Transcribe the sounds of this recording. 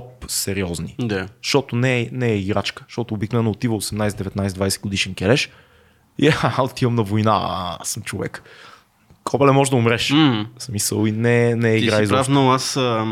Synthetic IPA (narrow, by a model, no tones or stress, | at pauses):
psɛɾiɔznid̪aʃt̪ɔt̪onɛnɛːiɡɾat͡ʃkə̥ʃt̪ɔt̪oobiknovɛnːot̪ivəosɛmnajsɛd̪d̪ɛvɛt̪najsɛd̪vajsɛt̪̚ɡʊd̪iʃɛnkʲɛlɛʃ | iaot̪ivəmnɐvojna̰səmt͡ʃovɛ̰k | kʰɔbɛlɛmɔʒɛd̪ɐʊmɾɛʃsmisə̰lˠinɛnɛɛiɡɾajzafnoas